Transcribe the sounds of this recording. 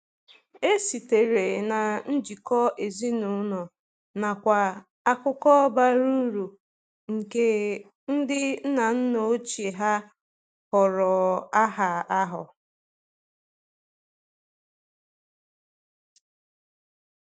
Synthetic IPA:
e˦si˨te˨ɾe˨na˨n̩˦d͡ʒi˨kɔ˦ʔe˨zi˦nu˨˦nɔ˨ | na˨kʷa˨ | a˦kʊ˦kɔ˦ba˦ɾu˦ɾu˨ | ŋ̩˨ke˦ | n̩˦dɪ˦n̩˦na˨n̩˦no˨˦t͡ʃe˨ɦa˦ | hɔ˨ɾɔ˨a˦ɦa˨a˦ɦʊ̰˨

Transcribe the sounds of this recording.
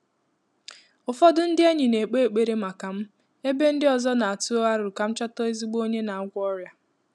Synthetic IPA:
ʊ˨fɔ˦dʊ˦n̩˦dɪ˦e˦ɲɪ˨ne˨k͡pe˦e˨k͡pe˨ɾe˦ma˨ka˨m̩˦ | e˦be˦n̩˦dɪ˦ɔ˨zɔ˦na˨a˨tu˦o˦a˦ɾʊ˨ʊ˨ka˨m̩˦t͡ʃa˦tɔ˦e˦zi˦ɡ͡bo˦ɲe˦na˨a˨˦ɡʷɔ˦ɾja˦

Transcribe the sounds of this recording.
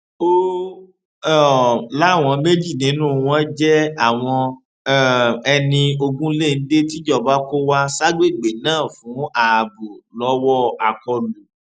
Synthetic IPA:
o˦˨ | la˦˨w̃ɔ̃˧me˦d͡ʒi˦˨nĩ˨˦nũ˦˨˧w̃ɔ̃˦d͡ʒɛ˦a˦˨w̃ɔ̃˧˦ | ɛ˧nĩ˧o˧ɡũ˦le˦˨n̩˦de˦ti˦d͡ʒɔ˦˨ba˦ko˦wa˦sa˦ɡ͡be˦˨ɡ͡be˨nãː˦˨fũ˨˦a˨bu˨lɔ˨˦wɔ˦a˨kɔ˧lu˨

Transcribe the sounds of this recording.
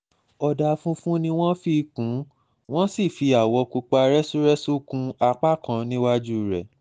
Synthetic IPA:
ɔ˨da˨fũ˦fũ˦nĩ˧w̃ɔ̃˦fi˧kũ˨˦ | w̃ɔ̃˦si˦˨fi˧a˨wɔ˧ku˧k͡pa˧ɾɛ˦su˦ɾɛ˦su˦kũ˧a˧k͡pa˦˨kã˨˦nĩ˦wa˦d͡ʒu˦˨ɾɛ˨

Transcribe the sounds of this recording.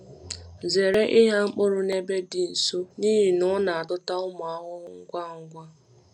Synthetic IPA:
ze˨ɾe˦ʔɪ˦ɦa˦ŋ͡m̩˦k͡po˦ɾʊ˨ne˦be˦dɪ˨n̩˨so˦niː˦ɦi˨nʊ˦na˨a˨dʊ˦ta˦ʊ˦ma˨a˦ɦʊ˦ʊ˦ŋ̩˦ɡʷa˦ŋ̩˦ɡʷa˦

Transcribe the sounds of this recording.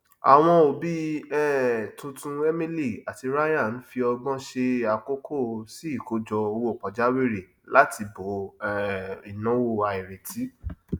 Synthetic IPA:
a̰˨w̃ɔ̃˧o˨bi˦ɛ˦tũ˧tũ˧e˦mĩ˦li˦˨a˨ti˧ɾa˦jã˦˨n̩˨˦fi˧ɔ˧ɡ͡bɔ̃˦ʃe˧a˨ko˦kʰo˦˨si˦i˦˨ko˧d͡ʒɔ˧o˧wo˧˦˨k͡pɔ˨d͡ʒa˨˦wi˦˨ɾi˨ | la˦tʰi˧bo˨˦˨ | i˨nã˨˦wo˦˨a˧i˨ɾe˨ti˨˦

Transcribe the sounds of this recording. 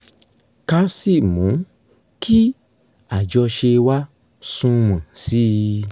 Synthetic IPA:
ka˧˦si˦˨mũ˨˦ | kʰi˦ | a˨d͡ʒɔ˧ʃe˧wa˦ | sũ˦mã˨si˦

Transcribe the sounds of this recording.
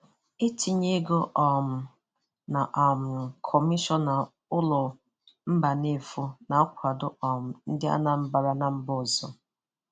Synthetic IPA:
e˦tʰi˨ɲe˦ɡo˦ʔɔ˨m̩˨ | na˨ʔa˨m̩˨kʰɔ˨mi˦ʃɔ˦na˨ | ʊ˦lɔ˨ | m̩˦ba˨ne˦˨fu˦na˨a˦kʷa˨dʊ˦ɔ˨m̩˨n̩˦dɪ˦a̰˦na˨m̩˦ba˨ɾa˦na˨m̩˦bɔ˦˨zɔ˦

